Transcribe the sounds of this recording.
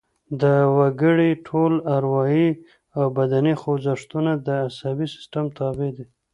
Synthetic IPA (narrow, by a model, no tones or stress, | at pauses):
d̪əwaɡəɽiʈʰolaɾwɑji | awbad̪anixowzaʂt̪unad̪əasabisɪ̥sʈamt̪ʰɑbed̪i